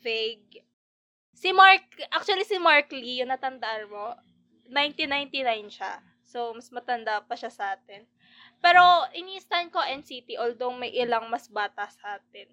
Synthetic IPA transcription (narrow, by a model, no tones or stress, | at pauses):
vɛɡ̚ | sɪmaɹk̚ʔak̚t͡ʃʊɐlisɪmaɹklijʊŋnɐt̪ɐnd̪ɐʔanmo | najnt̪inajnt̪inajnʃa | somɐsmɐt̪ɐnd̪aʔpɐʃasɐʔaːt̪ɛn | pɛːɾo̞ʔɪniːst̪ankoʔɛnsit̪iʔold̪owmɐjʔɪlaŋmɐsbaːt̪ɐsɐʔaːt̪̚ɛn